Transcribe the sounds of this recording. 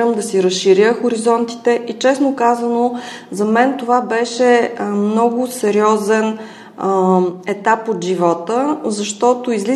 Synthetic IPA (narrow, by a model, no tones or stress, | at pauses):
əmd̪ɐsiɾəsʃiɾjəxʊɾizɔnt̪i̥t̪ɛʔit͡ʃɛsnokazəno | zɐmɛnt̪ovabɛʃɛmnɔɡʊsɛɾiɔzɛn | ɛt̪apod̪ʒivɔt̪əzɐʃt̪ɔt̪oizli